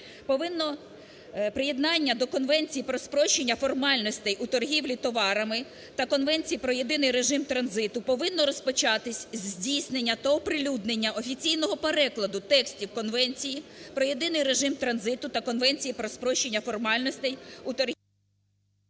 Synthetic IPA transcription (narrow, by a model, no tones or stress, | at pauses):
pɔʋɪnːɔ | pɾɪje̞d̪nɑnʲːɐd̪ɔkɔnʋɛnʲt͡sʲijipɾɔspɾɔʃt͡ʃenʲːɐfɔrmɑlʲnɔsʲt̪ɛjut̪ɔrɦʲiwlʲit̪ɔʋɑɾɐmɪ | t̪ɐkɔnʋɛnʲt͡sʲijipɾɔje̞d̪ɪnɪjɾe̞ʒɪmt̪ɾɐnzɪt̪ʊpɔʋɪnːɔɾɔspɔt͡ʃɑt̪ɪsʲzʲdʲijsnenʲːɐt̪ɐɔpɾɪlʲud̪nenʲːɐɔfʲit͡sʲijnɔɦɔpeɾɛklˠɐd̪ʊt̪ɛksʲtʲiwkɔnʋɛnʲt͡sʲijipɾɔje̞d̪ɪnɪjre̞ʒɪmt̪ɾɐnzɪt̪ʊt̪ɐkɔnʋɛnʲt͡sʲijipɾɔspɾɔʃt͡ʃːenʲːɐfɔrmɑlʲnɔsʲt̪ɛjut̪ɔr